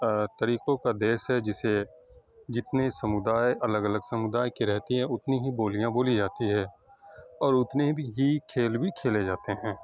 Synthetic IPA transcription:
t̪ɐɾiːqõkad̪eːʃɦɛd͡ʒɪse | d͡ʒɪt̪nesəmʊd̪aːjʔɐləɡələɡsəmʊd̪aːjkiɾɛɦt̪iɦɛ̃ʊt̪niɦiboːlijãboːlid͡ʒaːt̪iɦɛ̃ː | ɔːɾʊt̪nebʱiɦikʰeːlbʱikʰeːled͡ʒaːt̪eɦɛ̃ː

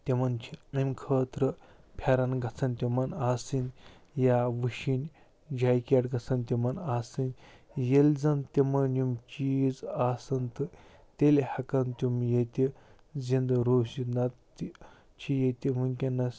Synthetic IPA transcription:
t̪ʲemɐnt͡ʃʰiɐmʲkʰəːt̪ɾə | pʲʰaɾɐnɡɐt͡sʰɐnt̪ʲimɐnaːsɨn | jaʋɨʃinʲ | d͡ʒaːjkʲaʈɡɐt͡sʰɐnt̪ʲimɐnaːsɨnʲjelʲd͡zɐnt̪emɐnjumt͡ʃiːzaːsɐnt̪ɨ | t̪ʲelhɐkɐnt̪ʲumjet̪ʲi | zind̪ɾoːsinɐt̪ː | i | t͡ʃʰijet̪ʲimuŋʲkʲenɐs

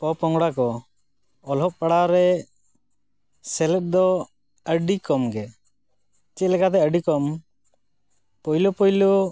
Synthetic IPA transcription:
pɔpɔŋɡɽakɔ | ɔlɦɔʔ̚paɽaɾɛ | sɛlɛt̚d̪ɔ | əɖikɔmɡɛ | t͡ʃɛt̪̚lɛkat̪̬ɛəɖikɔm | pɔjlopɔjlɔ

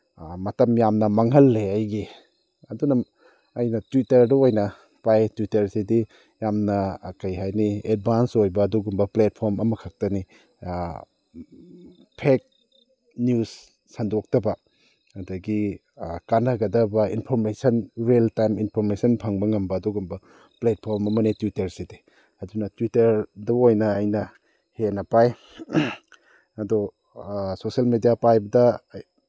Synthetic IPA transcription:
mɐtɐmjamnɐmaŋɦɐlːeajɡi | ɐdunɐ | ɐjnɐtwitɐɾdɐojnɐ | pajtwitɐɾsedi | jamnɐkɐjɦajnied̚bʱansojbɐːduɡumbɐplet̚pʰoɾmɐmɐkʰak̚tɐni | pʰek̚ | njus | sɐndok̚tɐbɐː | dɐɡi | kanɐɡɐdɐbɐinpʰoɾmesɐnɾeltajminpʰoɾmesɐnpʰaŋbɐŋɐmbɐːdɔɡɐmbɐ | plet̚pʰoɾmɐmɐnetwitɐɾside | ɐdunɐtwitɐɾdɐojnɐːjnɐ | henɐpaj | ɐdɔ | sosɐlmedijapajbɐdɐ

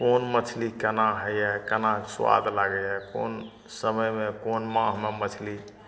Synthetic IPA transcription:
konmət͡ʃʰlikənaɦəjɛkənaswa̰d̪ʱlaɡɛɛko̰n | səməjmekonmãɦmemət͡ʃʰli

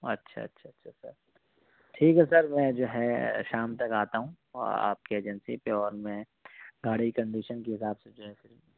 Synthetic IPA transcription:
ɐ̰tːʃʰa̰ɐ̰tːʃʰaɐtːʃʰasɐ̰ɾ | ʈʰiːkɦɛsɐɾmɛ̃ːd͡ʒoːɦɛʃaːmt̪ɐkaːt̪aɦũː | a̰ːp̚keeːd͡ʒənsipeɔːɾmɛ̃ | ɡʱaːɽ̤ikɐ̃ɳɖiːʃənkeɦɪsaːbsed͡ʒoːɦɛfɪɾ

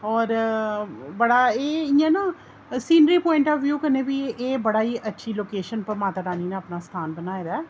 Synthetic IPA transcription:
ɔːɾ | bəɽaːeːɪːãːnaː | siːnɾiːpɔːɪ̃ɳʈɔːʋʋjuːkəneːʋiːeːbəɽaːiːʔətːʃʰiːloːkeːʃənpəɾmaːt̪əɾaːniːnaəpnaːst̪ʰaːnbənaːeːɾɛː

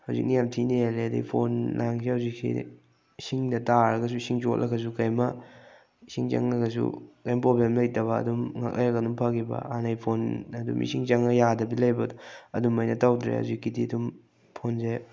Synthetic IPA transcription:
hawzḭk̚nijamtʰineeleɐdḭjpʰonlʔaŋsʰihawziksḭ | siŋdɐtaɾɐɡɐs̬uisiŋt͡ʃotlʔɐ̰kʰːɐs̬ukajmɐ | isiŋt͡ʃɐ̰ŋɐɡɐs̬ṵkajmɐpɾoblemlɐjtɐβɐɐ̰dumŋa̰k̚lʔa̰jɾɐkɐdumpʰaɡibɐ̰anajpʰonɐdṵmḭsiŋt͡ʃɐŋɐjadɐbilɐjbɐdɔɐdumɐjnɐtawdɾḛha̰wzikːidiɐdum | pʰonze

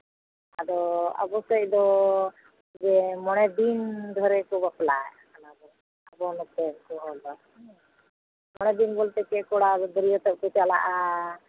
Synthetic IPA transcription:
ad̪ɔa̰bɔsɔc̚d̪ɔ | d͡ʒɛmɔɽ̃ɛd̪ind̪ʱɔɾɛkubapla̰j | anab̪ɔ | abɔnɔt̪ɛkɔɦɔb̪a | mɔɽ̃ɛd̪inbɔlt̪ɛkɛkɔɽad̪ɔɾijɔt̪ɔʔ̚kut̪jala̰ʔa

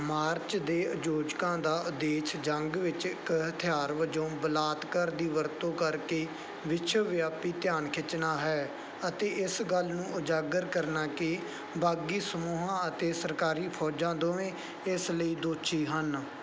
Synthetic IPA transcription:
maːɾt͡ʃd̪eːəd͡ʒoːd͡ʒkãːd̪aːʔʊd̪eːʃd͡ʒəŋɡʋɪt͡ʃkəɦt̪ʰɪjaːɾʋəd͡ʒõːbəlaːt̪kəɾd̪iːʋəɾt̪õːkəɾkeː | ʋɪt͡ʃʰəʋɪjaːpiːt̪ɪjaːnkʰɪt͡ʃːnaːɦɛː | ət̪eːɪsɡəlnũːʊd͡ʒaːɡəɾkəɾnaːkeː | baːɡiːsəmuːɦãːət̪eːsəɾkaːɾiːpʰɔːd͡ʒãːd̪oːẽː | ɪsləiːd̪oːt͡ʃʰiːɦən

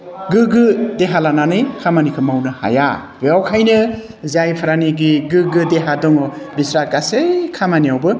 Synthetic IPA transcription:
ɡɯɡɯdeɦalananɯjkʰamanikʰɯmawnɯha̰ja̰bejawkʰajnɯ | zajpʰaɾaniɡiɡɯɡɯdeɦadɔŋɔ | bisɾaɡasekʰamaniawbɯ

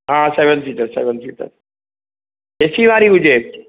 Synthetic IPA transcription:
ɦãːseʋənsiːʈəɾsḛːʋənfiːʈə̰ɾ | esiʋaːɾiɦʊd͡ʒeː

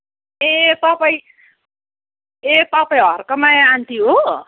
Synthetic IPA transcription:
epapʌj | epapʌjɦʌrkʌmaant̪iɦo

